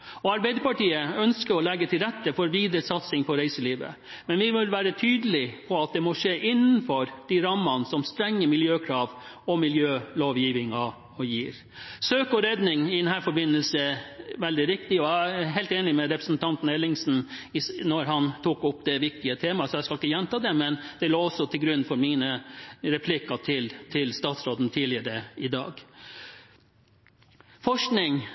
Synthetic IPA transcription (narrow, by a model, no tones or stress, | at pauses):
ɔɑɾbæɪd̪əɾpɑʈiːəœnskəɾɔlɛɡːət̪ʰɪlɾɛt̪ːəfɔɾʋiːd̪ɾəsɑt̪sɪŋpʰɔɾæɪsəliːʋə̰ | mɛnʋɪʋɪlʋæːɾət̪ʰyːd̪əlɪpʰɔɑt̪̚d̪ɛmɔʂeːʔɪnːnfɔɾd̪̥iɾɑmɑnsɔmst̪ɾɛŋːəmɪljøːkʰɾɑːʋ | ɔmɪljøːloːʋjiːʋɪŋɑ | ɔjiːɾ | søːkɔɾeːd̪nɪŋɪd̪ɛnɦæːɾfɔɾbɪnːəlsəʋɛld̪ɪɾɪkt̪ɪɔæɦɛɪlt̪eːnɪmɛɾɛpɾəsn̩t̪ʰɑnt̪n̩ɛlɪŋsn̩ɪnɔɾɦɑnt̪ʰuːkʊpːd̪ɛʋɪk̚t̪ɪət̪ʰeːmɑsɔjæɪskɑlɪkːəjɛnt̪ʰɑːd̪ɛmɛnd̪̥ɛloːɔsɔt̪ʰɪlɡɾʉnːfɔɾmiːnəɾɛpʰlɪkːɑt̪ʰɪlt̪ʰɪlst̪ɑːt̪sɾoːd̪n̩t̪ʰiːlɪəɾəɪd̪ɑ̰ːɡ | fɔʂknɪŋ